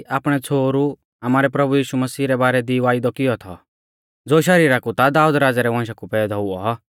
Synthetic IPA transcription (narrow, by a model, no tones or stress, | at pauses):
aːpɽ̃ɛt͡sʰoːɾu | amaːɾɛpɾɐbujiːʃumɐsiːɾɛbaːɾɛd̪iʋaːid̪ɔkɪjɔt̪ʰɔ̰ | d͡zoːʃɐɾiːɾakut̪ad̪aːud̪ɾaːd͡zaɾɛʋãːʃ̬akupɛːd̪ʱɔuɔ